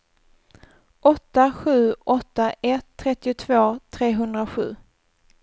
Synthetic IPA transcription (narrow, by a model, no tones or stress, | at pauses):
ʔɔt̪ːaɧʉ̟ːʔɔt̪ːaʔɛt̪ʰːɾɛt̪ːɪʊt̪ʰvoːt̪ʰɾeːɦɵnd̪ɾaɧʉ̟̰ː